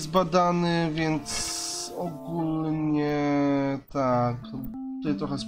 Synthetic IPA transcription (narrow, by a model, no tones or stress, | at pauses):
zbad̪anɘvʲjɛnt̪sɔɡulɲɲɛ | t̪ak | t̪ɔjɛst̪ɾɔxɛs